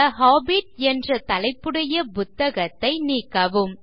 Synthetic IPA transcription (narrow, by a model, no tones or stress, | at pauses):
ɐɦaːbiʈ̚ɛndrɐt̪ɐlɐɪpːɯɽɐjɐpʊt̪ːɐɣɐt̪ːɐɪniːkːɐʋɯm